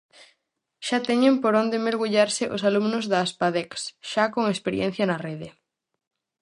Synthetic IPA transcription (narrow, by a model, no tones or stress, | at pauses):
ʃat̪ɛɲempoɾond̪emeɾɣuʎaɾsɪʔosalumnʊzðaːspaðɛksʃakoŋespeɾjɛ̰n̟θjɐnɐreðɪ